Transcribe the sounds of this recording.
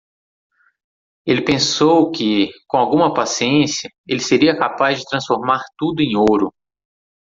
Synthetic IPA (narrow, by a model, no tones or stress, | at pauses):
elɪpẽsowkɪkõawɡũmɐpasiẽsjɐ | elɪseɾiɐkapazd͡ʒɪt̪ɾɐ̃sfoɾmaɾt̪ud̪ʊẽj̃oɾʊ